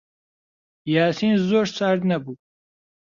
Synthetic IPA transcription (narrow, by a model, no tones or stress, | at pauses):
jaːsinzoːɾsaɾd̪nɐbuː